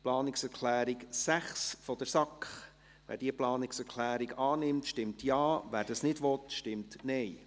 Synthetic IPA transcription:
plɑːnɪksɛɾkʰlæːɾɪɡsæχsfɔd̥əɾsɑkχ | ʋæ̰ːɾd̥iəplɑːnɪksɛɾkʰlæːɾɪɡɑːnɪmtʃtɪmtjɑːʋæːɾd̥ɑsnɪdʋɔtʃtɪmtnɛj

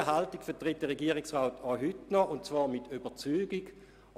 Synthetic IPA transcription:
əɦaltɪkfɛɐtʁɪt̚dɛʁeɡiːʁɪksʁaːtʰaɦytnɔʔʊntt͡svɑːɐmɪtʰyb̥ɐt͡syːɡiɡ

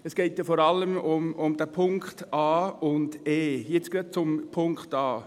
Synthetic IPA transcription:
ɛsɡ̥ɛɪtjafɔɾɑlːəmʊmʊmd̥æːpʰʊŋkχtɑːʊndeːjɪt͡sɡ̥øːt̚t͡sʊmpʰʊŋkχtɑː

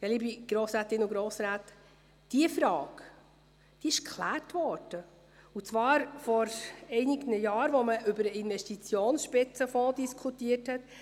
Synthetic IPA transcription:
jɛlibiɡ̥ɾoːsɾæːtɪnʊɡɾoːsɾæːt | d̥iəfɾɑːk | d̥iɪʃkʰχlæːrtʋɔɾd̥ə | ut͡svɑːɾfɔɾɛɪnɪɡnəjɑːɾʋoməʔʏbəɾəɪnvɛʃtit͡sjoːnsʃpɪt͡səfɔdiskʰutiːəthɛt

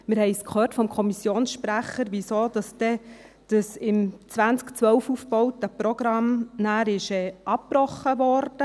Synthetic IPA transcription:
mɪɾhɛɪskʰχøːrtfɔmkʰɔmisjoːnsʃpɾæχːəɾʋisoːd̥ɑsd̥ɛ | d̥əsɪmt͡sʋænt͡skt͡sʋœwfufbɔwtəpɾɔɡ̥ɾɑmnæːɾɪʃɛːʔɑppɾɔχːəʋɔɾd̥ə

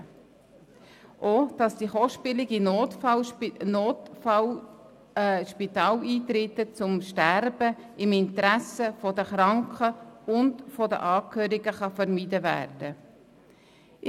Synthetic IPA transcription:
ʔod̥ɑsd̥iχɔʃpɪlɪɡinoːtfɑlnoːtfɑl | ʃpitɑːliːt̪ɾɪt̪ːət͡sʊmʃtæɾb̥əɪmɪnt̪ɾæsəfɔdəχɾɑŋkχəʊndfɔdə̰ʔɑːkʰhøːɾɪɡəχɑfəɾmidəvæ̰ːɾd̥ə

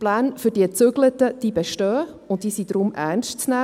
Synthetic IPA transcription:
plæːnføɾd̥iːət͡søɡlətəd̥iːbɛʃtœː | ʊntdiːsid̥ɾʊmʔæ̰ːɾnstt͡snæ

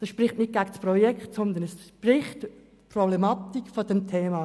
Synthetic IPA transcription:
d̥ɑsʃpɾɪχtnɪt̚ɡ̥aɡsprɔjɛkχtsɔnd̪ənɛsʃprɪχt | pʰrɔblɛmɑt̪ikfɔd̥ɛmt̪ʰeːmɑ

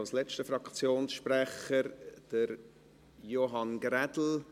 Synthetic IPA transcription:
lslɛt͡ʃtəfɾɑkt͡sjoːnsʃpræχəɾd̥əɾ | joɦɑnɡrɛdl̩

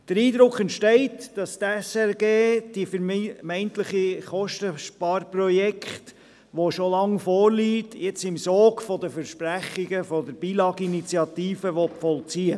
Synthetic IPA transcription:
d̥əɾiːd̪ɾʊkχɛntʃtɛɪtd̥ɑst̪ɛsɛɾɡeːd̥ifəɾmmɛɪnt̪ləχiχɔʃtəʃpɑːɾprɔjɛkχt | ʋoʃolɑŋfɔːɾliːtjɛt͡sɪmsɔːkfɔdəfəɾʃpɾæχiɡəfɔdəɾb̥iːlɑːɡinit͡siɑt̪iːfəʋɔtfɔlt͡siːə

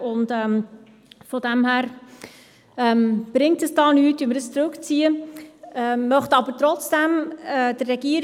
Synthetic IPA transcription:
ʊndɛm | fɔdɛmhæːɾ | ɛmb̥ɾɪŋtəsd̥ɑːnyːtimɾəst͡sɾɵkt͡siːə | ɛːœχtɑbəɾtɾɔt͡sd̥ɛmɛd̥ərːɛɡ̥iːəɾ

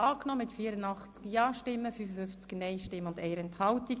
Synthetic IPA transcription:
ɑːknɔmɪtfiːəɾənɑχt͡skjɑːʃtɪmːəfyfəfʏft͡sknɛɪʃtɪmːəʊndɛɪɾɛnthɑlti

